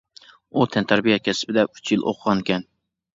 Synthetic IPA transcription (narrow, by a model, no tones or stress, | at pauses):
ut̪ʰɛnt̪ʰæɾbijɛt̪̚kʲʰɛsbɪd̪ɛyt͡ʃʰjilˠʔo̰qʰəʁɑnkʲɛn